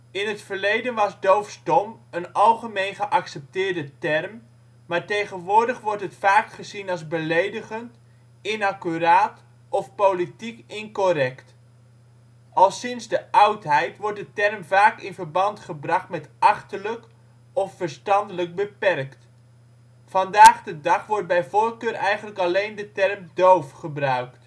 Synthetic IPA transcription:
ɪnɦətfəɹlejdənʋɑzdowfsdɔmənɑlˠχəmejnχəʔɑksɛp̚tɪːɹdətɛrm | maːɹtejχənʋʊːɹdəχʋɔɹtətfaːkχəzinɑlˠzbəlejdəχənt | ɪnakyɾaːt | ɔfpowlitikɪnkoɾɛkt | ɑlˠsɪnzdəʔɑwtɦɛjtʋɔɹt̚dətɛrmvaːkɪnvəɹbɑntχəbrɑχtmɛtʔɑχtələk | ɔfːəɹstɑndələɡ̚bəpɛrkt | fɑndaːχdədɑχʋɔɹd̚bɛjvoːɹkøːɾʔɛjχənləkɑlejndətɛrmdowfχəbrœɥkt

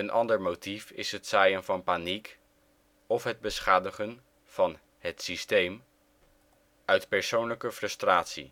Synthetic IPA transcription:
ənʔɑ̰ndəɹmotifɪ̰sɦətsajənvɑnpanik | ɔfɦəd̚bəsχaːdəχən | v̥ɑn | ɦətsistejm | œɥtpɛɹsownləkəfrɵstraːtsḭ

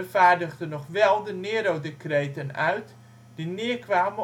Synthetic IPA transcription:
faːɹdəɣdənɔχʋɛlˠdəneːɾodekreːtənœ̰ɥt | d̥inɪːəkʋaːmə

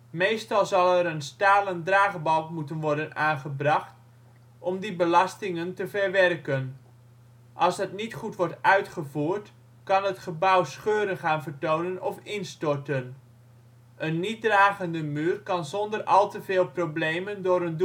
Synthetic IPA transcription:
mejstɑlˠzɑlˠɛɾənstaːləndraːχbɑlkmutənʋɔɹdənaːnχəbrɑχt | ʔɔmdibəlɑstɪŋəntəvɛrʋɛrkən | ʔɑlˠsdətnitχutʋɔɹtœɥtχəvuːɹt | kɑnətχəbʌwsχøːɾənχaːnvərtownənɔfɪnstɔrtən | ʔənːit̚draːχəndəmyːrkɑnzɔndərɑlˠtəveːlˠprobleːjməndʊːɾənd

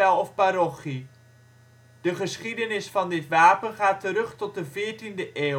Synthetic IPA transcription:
ɛlˠɔfpaɾɔχi | d̥əχəsχidənɪsfɑndɪtʋaːpənχaːtəɾɵχtɔt̚dəvɪːɹtindəʔeː

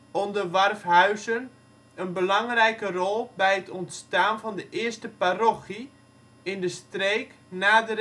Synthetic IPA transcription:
ɔndərʋarfhœɥzən | ənbəlɑŋrɛjkərɔlˠbɛjətʰɔntstaːnvɔndəʔɪəstəparoxi | ɪndəstreːk | naːdər

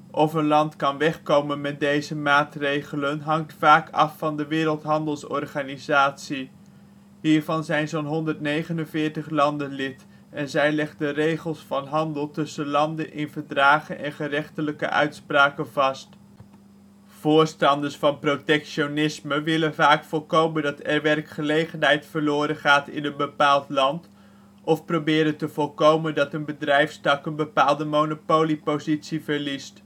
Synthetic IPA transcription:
ʔɔfənlɑntkɑnʋɛχkowmənmɛt̚dejzəmaːtrejχələnɦɑŋtfaːkʰɑ̰fːɑndəʋɪːɾəlˠtɦɑndəlˠsɔɹχaːnizaːtsi | ɦiːɹvɑnzɛjnzownɦɔndəɹtnejχənənvɪːɹtəχlɑndənlɪt | ɛnzɛjlɛχdərejχəlˠsfɑnɦɑndəlˠtɵsənlɑndənʔɪnvəɹdraːχənʔɛnχərɛχtələkə̰ʔœ̰ɥtspraːkənvɑst | v̥ʊːɹstɑndəɹsfɑnprotɛkʃonɪsməʋɪlənvaːkfɔlˠkowməndɑtɛɹʋɛrkχəlejχənɦɛjtfəɹlʊːɾəχaːtɪ̰nənbəpaːlˠtlɑnt | ɔfprowbɪːɾəntəv̥ɔlˠkowməndɑtənbədrɛjfsdɑkənbəpaːlˠdəmownopowlipowzitsivəɹlist

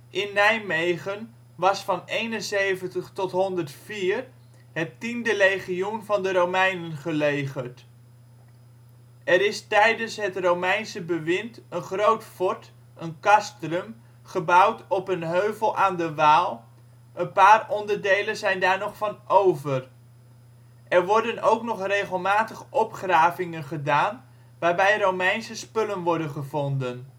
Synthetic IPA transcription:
ʔɪnːɛjmejχən | ʋɑsfɑnejnənsejvəntəχtɔtɦɔndəɹtfiːr | ɦətindəlejχijunvɑndəɾowmɛjnənχəlejχəɹt | ɛɾɪstɛjdənsɦətrowmɛjnsəbəʋɪntənχrowtfɔɹt | ənkɑstrəm | χəbʌwtɔpənɦøɥvəlˠʔaːndəʋaːlˠ | ʔənpaːrɔndəɹdejlənzɛjndaːɹnɔχfɑnowvər | ʔɛɹʋɔɹdənowknɔχrejχəlˠmaːtəχʔɔpχraːvɪŋənχədaːn | ʋaːɹbɛjrowmɛjnsəspɵlənʋɔɹdənχəvɔndən

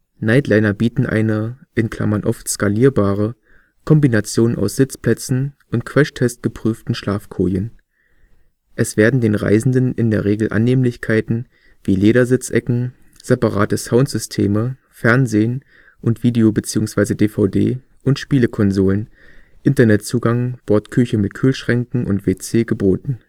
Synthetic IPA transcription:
naɪtlaɪnɐbiːtn̩ʔa̰ɪnəʔɪnkʰl̥a̰mɐnʔɔftskaliːɐbaːʁə | kʰɔmbinat͡sjoːna̰ʊsz̥ɪt͡spl̥ɛt͡sn̩ʔʊntkʰv̥ɛʃtʰɛst̚ɡ̥əpʁ̥yːftn̩ʃlaːfkʰo̰ːjən | ʔɛsv̥eːɐdn̩deːnʁa̰ɪzn̩dənʔɪndeːɐʁeːɡl̩ʔa̰nːeːmlɪçkʰaɪtn̩ | v̥iːleːɾɐzɪt͡sʔɛkŋ̩ | z̥epaʁa̰ːtəsaʊntz̥ʏstʰeːmə | fɛɐnzeːən | ʔʊntv̥iːdeobət͡siːʊŋsv̥aɪzədeːfaʊdḛː | ʔʊntʃpiːləkʰɔnzoːlənʔɪntɐnɛtt͡suːɡaŋb̥ɔɐtkʰʏçəmɪtkʰyːlʃʁ̥ɛŋkŋ̩ʔʊ̰ntv̥eːt͡seːɡəboːtn̩

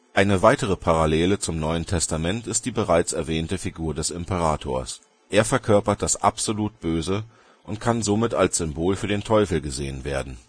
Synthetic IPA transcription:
ʔaɪnəvaɪtəʁ̞əpʰaʁaleːlət͡sʊmnɔʏəntʰɛstamɛntɪst̚d̥iːbəʁaɪt͡sɛɐvɛːntəfiɡuːɐdɛsɪmpəʁaːtʰo̰ːɐs | ʔeːɐfɛɐkʰœɐpɐt̚d̥asʔa̰pz̥oluːt̚b̥øːzə | ʔʊntkʰanzomɪtalsz̥ʏmboːlfyːɐdeːntʰɔʏfl̩ɡəzḛːənveːɐdn̩

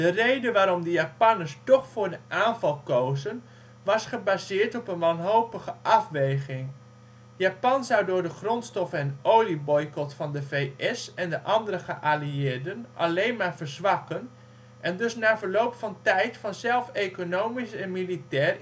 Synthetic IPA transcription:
d̥ərejdəʋaːɾɔmdəjaːpɑnəɹstɔχfʊːɹdəʔaːnvɑlˠkowzən | ʋɑsχəbaːzɪːɹtɔpənʋɑnɦowpəχəʔɑfʋejχɪŋ | jaːpɑnzɑwdʊːɹdəχrɔntstɔfɛnowlibɔjkɔtfɑndəvejʔɛsɛndəʔɑndəɾəχəʔaːliɪːɹdənʔɑ̰lejnmaːɹvəɹzʋɑkən | ʔɛndɵsnaːvəɹlowpfɑntɛjtfɑnzɛlˠfekonowmisɛnmilitɛːr

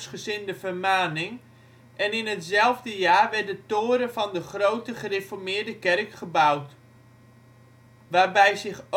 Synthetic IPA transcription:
sχəszɪndəvərmaːnɪŋ | ʔɛnɪnɦətzɛlˠvdəjaːrʋɛrdətoːɾəfɔndəχrowtəχərefɔrmɪːɹdəkɛrkχəbawt | ʋaːɹbɛjzɪχ

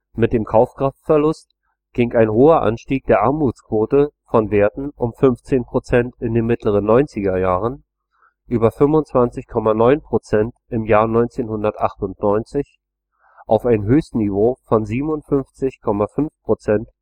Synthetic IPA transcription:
mɪt̚d̥eːmkʰaʊfkʁ̥aftfɛɐlʊst | ɡ̥ɪŋaɪnɦoːɐʔa̰nʃtiːk̚d̥eːɐʔaɐmuːt͡skv̥oːtəfɔnveːɐtn̩ʔʊmfʏnft͡seːnpʁ̥ot͡sɛntɪndeːnmɪtʰləʁ̞ənːɔʏnt͡sɪɡɐjaːʁən | ʔyːbɐfʏmvʊnt͡sv̥ant͡sɪçkʰɔmanɔʏnpʁ̥ot͡sɛntʔɪmjaːɐnɔʏnt͡seːnhʊndɐtʔa̰χtʊntnɔʏnt͡sɪç | ʔaʊfaɪnɦøːstnivoːfɔnziːbmʊntfʏnft͡sɪçkʰɔmafʏnfpʁ̥ot͡sɛnt

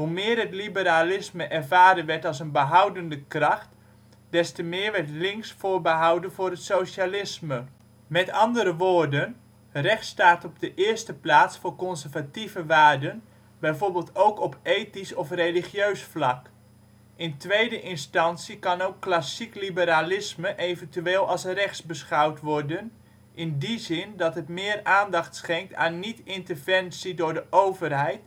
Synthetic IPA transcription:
humɪːərətlibəɾalɪsməʔɛrvaːɾənʋɛrtɑlˠs̬ənbəɦawdəndəkrɑxt | d̥ɛstəmɪːrʋɛrtlɪŋsfoːrbəɦawdənvʊːrətsoːsalɪsmə | mɛtɑndəɾəʋoːrdən | rɛxtstaːtɔb̚dəʔɪəstəplaːsfoːrkɔnsərvativəʋaːrdən | bɛjvoːrbɪːlˠtowkɔpejtisɔfreliχjøɥsflɑk | ɪntʋejdəʔɪnstɑnsikɑnowkːlasiklibəɾalɪsməʔejvəntyeːlˠɑlˠsrɛxsbəsχɑwtʋɔrdən | ʔɪndizɪndɑtɦətmɪːəraːndɑχtsχɛŋk̚tʰa̰ːnːitɪntərvɛnsidʊrdəʔowvərɦɛjt

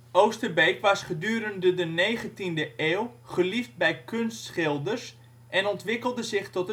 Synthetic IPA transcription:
owstərbejkʋasχədyːɾəndədəneːχəntindəʔeːwχəlift̚bɛjkʰønstsχɪlˠdərs | ʔɛnɔntʋɪkəlˠdəzɪxtɔtə

